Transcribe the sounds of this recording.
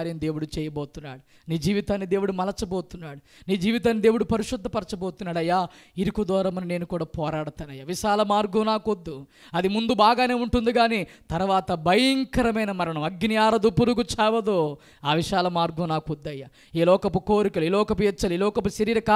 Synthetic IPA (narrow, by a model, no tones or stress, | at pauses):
ɾɐnd̪e̞ːwuɽut͡ʃɛːjɐboːt̪unːaːɽu | niːd͡ʒiːʋit̪aːnːid̪e̞ːwuɽumɐlɐt͡ʃɐboːt̪unːaːɽuniːd͡ʒiːʋit̪aːnːid̪e̞ːwuɽupɐɾiʂud̪ʱːɐpɐɾɐt͡ʃɐboːt̪unːaːɽɐjːaːiɾikud̪ɔːɾɐmɐnine̞ːnukuːɽaːpɔːɾaːɽɐt̪aːnːɐjːaʋiʃaːlɐmaːɾɡunaːkod̪ːu | ɐd̪imund̪ubaːɡaːne̞ːuɳʈund̪uɡaːnit̪ɐɾʋaːt̪ɐbʱɐjɐŋkɐɾɐmɐjnɐmɐɾɐɳɐmɐɡnijaːɾɐd̪upuɾuɡut͡ʃaːʋɐd̪oː | aːʋiʃaːlɐmaːɾɡunaːkod̪ːɐjːa | iːlɔːkɐpukoːɾikɐluiːlɔːkɐp̬ujɛt͡ʃːɐluiːlɔːkɐpuʃɐɾiːɾɐkaː